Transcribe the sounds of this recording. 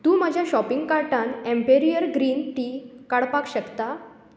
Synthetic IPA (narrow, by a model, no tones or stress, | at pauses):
t̪ũːmad͡ʑʱjaɕɔpiŋɡkaɾʈãnẽmpeɾijəɾɡɾiːnʈiːkaɽpakɕəkt̪a